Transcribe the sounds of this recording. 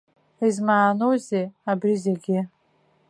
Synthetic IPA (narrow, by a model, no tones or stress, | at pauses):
izmaːnowzeabɾizeɡʲɪ